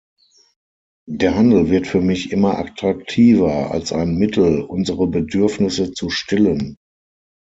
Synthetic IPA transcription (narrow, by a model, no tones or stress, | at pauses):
d̥eːɐɦandl̩vɪɐtfyːɐmɪçʔɪmɐʔa̰tʁ̥ak̚tʰiːvɐa̰lsʔaɪnmɪtʰl̩ʔʊnzəʁəbədʏɐfnɪsət͡suʃtɪlən